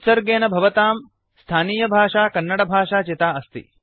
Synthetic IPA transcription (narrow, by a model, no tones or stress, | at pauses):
sɐɾɡeːnɐbʱɐʋɐt̪aːm | st̪ʰaːniːjɐbʱaːʂaːkɐnːɐɽɐbʱaːʃaːt͡ʃit̪aːɐst̪ḭ